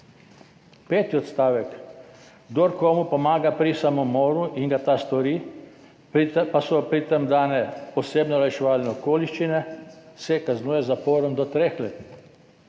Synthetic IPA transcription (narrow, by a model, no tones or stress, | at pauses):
peːt̪iɔt̪st̪aːʋɛk | ɡd̪oɾkɔːmupɔmaːɡapɾisamɔmɔːɾuʔiŋɡat̪ast̪ɔɾi | pasɔpɾit̪əmd̪aːnɛpɔseːbnɛlajʃɛʋaːlnɛɔkoːliʃt͡ʃinɛsɛkaznuːjɛzapoːɾɔmd̪ɔt̪ɾexleːt̪i